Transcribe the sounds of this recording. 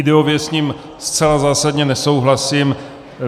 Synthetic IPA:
ɪdɛovjɛsɲiːm | st͡sɛlazaːsadɲɛnɛso̞wɦlasim

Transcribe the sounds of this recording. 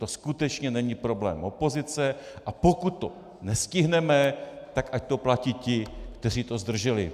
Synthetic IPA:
t̪o̞skut̪ɛt͡ʃɲɛnɛɲipɾo̞blɛ̰ːmʔo̞po̞zɪt͡sɛʔapo̞kut̪ːo̞ | nɛscɪɦnɛmɛt̪akʔac̚t̪o̞placiːcɪkt̪ɛr̝iːt̪o̞zd̪r̩ʒɛlɪ̰

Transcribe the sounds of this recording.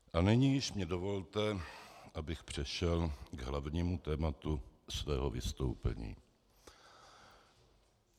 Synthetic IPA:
ʔanɪɲiːjɪʃmɲɛdo̞vo̞lt̪ɛʔabɪxpr̝̥ɛʃɛlɡɦlavɲiːmut̪ɛːmat̪usvɛːɦovɪ̰st̪owpɛ̰ɲḭː

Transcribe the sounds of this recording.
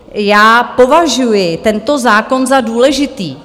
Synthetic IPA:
jaːpo̞vaʒujɪt̪ɛnt̪o̞zaːko̞nzaduːlɛʒɪt̪iː

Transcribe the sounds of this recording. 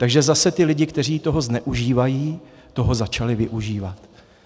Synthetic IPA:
t̪aɡʒɛzasɛt̪ɪlɪɟɪkt̪ɛr̝iːt̪o̞ɦo̞znɛʔuʒiːvajiː | t̪o̞ɦo̞zat͡ʃalɪvɪʔuʒiːvat̪

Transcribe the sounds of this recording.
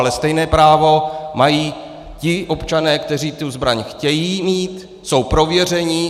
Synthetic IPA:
lɛst̪ɛjnɛːpɾaːvo̞majiː | cɪʔo̞pt͡ʃanɛːkt̪ɛr̝iːt̪uzbɾaɲxcɛjiːmiːt̪ | so̞wpɾo̞vjɛr̝ɛɲi

